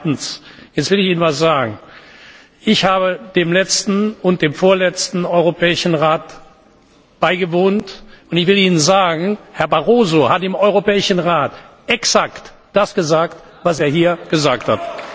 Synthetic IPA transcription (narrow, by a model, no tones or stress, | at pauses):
tn̩sjɛt͡stv̥ɪlɪçiːnənvasz̥aːɡŋ̩ | ʔɪçhaːbəd̥eːmlɛt͡stn̩ʊnt̚d̥eːmfoːɐlɛt͡stn̩ɔʏʁopʰɛːɪʃn̩ʁaːt | b̥aɪɡəvoːntʊntɪçv̥ɪliːnənzaːɡŋ̩hɛɐbaʁoːzohatɪmɔʏʁopɛːɪʃn̩ʁaːtʔɛksakt | d̥asɡ̥əzaːkt | vaseːɐɦiːɐɡ̥əzaːktha̰t